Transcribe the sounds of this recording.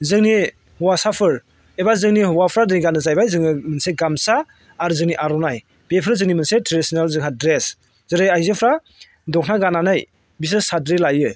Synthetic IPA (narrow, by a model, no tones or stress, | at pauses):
zɯŋni | hɔwasapʰɯɾ | ebazɯŋnihɔwapʰɾadɯŋiɡanɯzajbajzɯŋnɯmɯnseɡamsaː | ɾzɯŋniʔaɾɔnaj | b̥epʰɯɾzɯŋnimɯnsetʰɾedisinalzɯŋɦadɾes | z̥ɯɾɯjajzepʰɾa | dɔkʰnaɡananaj | bis̬esadɾelajɯ